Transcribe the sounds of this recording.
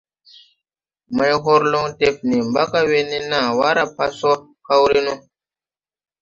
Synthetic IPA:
ma˧jɦo˦ɾlo˦ŋte˦p̚ni˨mba˦ka˦we˦ni˦na˨wa˦ɾa˦pa˦sɔ˦ | ka˦wɾi˦nu˦

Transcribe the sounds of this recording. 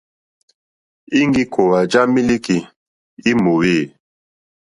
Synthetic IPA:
i˦ŋ˦ɡi˦kʰo˨wa˨d͡ʒa˦mi˦li˦ki˨ | i˦mo˨we˦˨

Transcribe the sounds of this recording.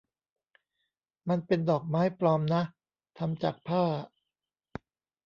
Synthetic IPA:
ma˧npe˧ndɔː˨˩k̚maː˦˥jpɾɔː˧mna˦˥ʔ | t̪ʰa˧mt͡ɕa̰ː˨˩k̚pʰaː˥˩

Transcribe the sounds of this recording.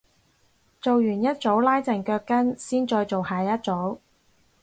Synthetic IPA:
t͡so˨wjyː˨˩njɐ˥t̚t͡so˨˥wlaː˥jt͡sɐ˨˩ŋkœː˧kːɐ˥nsiː˥nt͡sɔː˧jt͡so˨whaː˨jɐ˥t̚t͡so˨˥w

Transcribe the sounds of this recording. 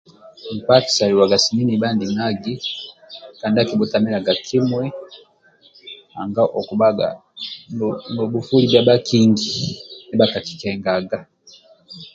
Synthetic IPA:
m̩˨pa˦ti̥˨sa˨li˨wa˨ɡa˨si˨ni˦ni˨ba˦˨ndi˨na˦ɡi˦ | ka˨nda˦ki˨bɔ˨ta˨mi˦la˨ɡa˨kʰi˦mwɛ˦ | a̰˨ŋɡa˦ʔɔ˨ku˨ba˦ɡa̰˨ | nɔ˨bu˨fu˦li˦bja˦ba˦ki˦ŋɡi˨nɛ˦ba˦ka˨ki̥˨kɛ˨ŋɡa˨ɡa˨

